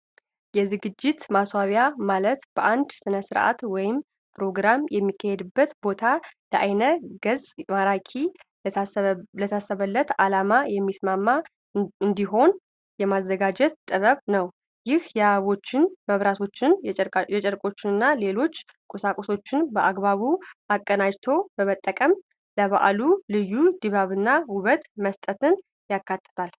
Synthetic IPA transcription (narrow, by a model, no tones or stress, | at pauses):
jɛzɨɡɨd͡ʒːɪt̪maswaβjamalət̪b̥əʔand̪sɨnəsɨɾʔa̰t̪wɔjɪm | pʰɾo̞ɡɾamjɛmːikʰːəhed̪ɨbːət̪bo̞t̪ʰaləʔajnəɡ̥əzmaɾakʰi | lət̪ʰasːəβəlːət̪alamajɛmːismamːa | ɨnd̪iɦo̞n | jɛmazːəɡad͡ʒɛt̪t̪ʼːɨβəβnəw | jɪhjɛaβo̞t͡ʃːɪnməβɾat̪ʰo̞t͡ʃːɪnjɛt͡ʃʼɛɾkʼo̞t͡ʃːɪnɨnːale̞lo̞t͡ʃː | kʼusakʼoso̞t͡ʃːɪnbəʔaɡbaβuʔakʼːənad͡ʒt̪ʰo̞bəmət̪ʼːəkʼəm | ləβa̰ʔlulɨjːud̪ɨβaβɨnːawʊβət̪məst̪ʼət̪ʰɨn | jakːat̪ʼːɨ̥t̪ʰal